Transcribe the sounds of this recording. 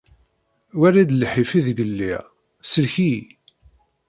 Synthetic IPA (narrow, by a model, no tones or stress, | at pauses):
wæɾid̪lħifiðɡəlːḭʁ | səlçi